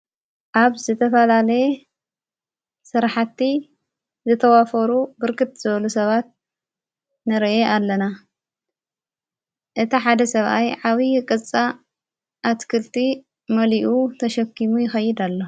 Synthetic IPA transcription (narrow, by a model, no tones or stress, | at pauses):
ʔaβzɨt̪ʰɐfɐlalɐje | sɨɾaħat̪ːi | zɨt̪ʰɐwafɐɾubɨɾkɨt̪z̥ɨβɐlusɐβat̪̚ | nɨɾʔeʔalːɐna | ʔɨt̪ʰiħad̪ɐsɐβʔajʕaβikʼɨt͡sʼa | ʔːt̪kʰɨlt̪ʰi | mɐliʔut̪ʰɐʃɐkːimujɪxɐjːɪd̪alːo